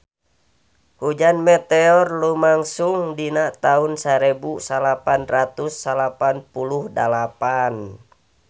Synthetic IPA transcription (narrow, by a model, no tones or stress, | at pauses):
hud͡ʒanmɛt̪ɛɔrlumaŋsuŋdinat̪aunsaɾɛbusalapanrat̪usːalapanpuluhdalapan